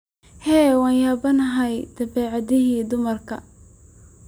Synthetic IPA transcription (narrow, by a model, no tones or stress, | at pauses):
hɛːwɑːnjaːbɐnɐɦɐjd̪̥ɐbɛːʕɑðɪɦiːd̪ʊmɐrkʰɐ̰